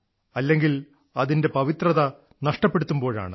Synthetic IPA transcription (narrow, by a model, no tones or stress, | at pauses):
ɐlːe̞ŋɡil | ɐðinde̞pɐʋit̪rɐðɐ | nɐʂʈɐpːe̞ɽut̪ːumbo̞ːɻa̰ːɳɨ